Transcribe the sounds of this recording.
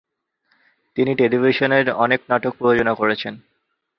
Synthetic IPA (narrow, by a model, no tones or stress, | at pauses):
t̪iniʈelibʱiʃoneɾɔneknaʈok̚pɾood͡ʑonakoɾet͡ɕʰen